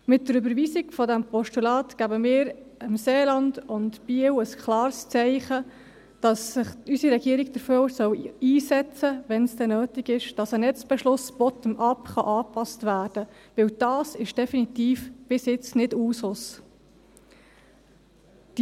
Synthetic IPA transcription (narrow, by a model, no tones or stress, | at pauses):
mɪt̚dəɾʏbəɾʋiːsiɡfɔdæmpɔʃtulɑːtkæbəmɪːɾɪmseːlɑnd̥ʊntb̥iəwəskʰlɑːɾst͡sɛɪχə | d̥ɑsɪχysiɾɛɡiəɾiɡ̚d̥̪əɾføsœwiːsɛt͡səʋɛnsdɛnøːtɪɡɪʃd̥ɑsənɛt͡sb̥ɛʃlʊsb̥ɔt̪əmʔɑpχɑʔɑːpɑstʋæːrd̥ə | ʋɪwd̥ɑːsɪʃd̥ɛfinit̪iːfb̥ɪsjɪt͡snɪduːsʊs | d̥